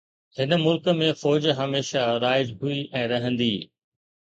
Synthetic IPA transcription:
hɪnmʊlkəmẽfɔːd͡ʑɦɐmeːʃaɾaːɪd͡ʑɦuiʔɛ̃ːɾɐɦə̃nd̪iː

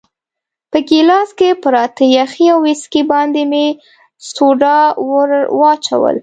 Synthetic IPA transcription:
pəɡilɑskepəɾɑt̪əjaxiawwɪskibɑnd̪eme | soɖɑ | wɑt͡ʃa̰wə̰l

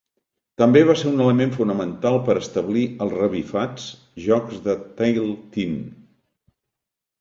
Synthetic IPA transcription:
t̪əmbeβ̞aseɾunələmeɱfunəmənt̪alˠpəɾəst̪əβliəlˠzrəβifat͡s | ʒɔkzðət̪ajlˠt̪im

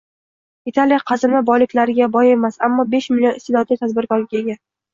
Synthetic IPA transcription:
it̪ʰalijaqʰɑzɪmɪbɒjlɪkʲlaɾɪɡʲabɒje̞masamːɒbe̞ʃmɪljonɪst̪ɪlɒt̪lit̪ʰad̪̚bɪɾkɒɾɪɡʲaeɡʲa

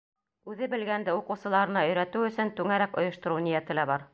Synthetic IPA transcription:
ʉðɘbɘ̆lɡænd̪ɘuqɤ̆wsɤ̆lˠɑɾɤ̆nɑɵ̆jɾæt̪ɘwɵ̆sɵnt̪ʉŋæɾækŏ̰jŏʃt̪ŏɾunijæt̪ɘ̆læbɑɾ

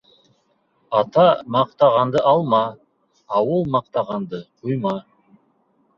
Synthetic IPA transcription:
ɑt̪ɑmɑq̚t̪ɑʁɑnd̪əʔɑlˠmɑː | wəlˠmɑq̚t̪ɑʁɑnd̪əqʰujmɑ

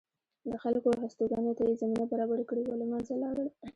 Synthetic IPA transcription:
d̪əxalkoɦast̪oɡɑnot̪ajezaminabaɾɑbaɾakəɽewalamanzalɑɾəl

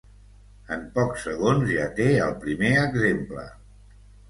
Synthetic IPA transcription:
əmpɔksəɣonzʒat̪eəlˠpɾimeəɡzemplə̰

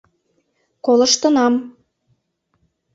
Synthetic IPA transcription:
koləʃt̪ə̆nɑm

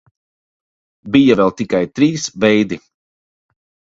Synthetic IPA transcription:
bijavɛlˠt̪ikajt̪ɾiːsvɛjd̪i

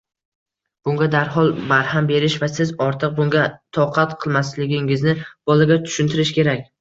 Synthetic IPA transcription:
b̥ʊŋɡʲad̪aɾɦɒlˠbaɾhambe̞ɾɪʃvasɪzɒɾt̪ʰɨq̚bʊŋɡʲat̪ʰɒqʰat̪qʰɨlˠmaslɪɡʲɪŋɪznɪb̥ɒlˠaɡʲat̪ʰʊ̥ʃʊnt̪ʰɪɾɪʃkʲʰe̞ɾakʲ

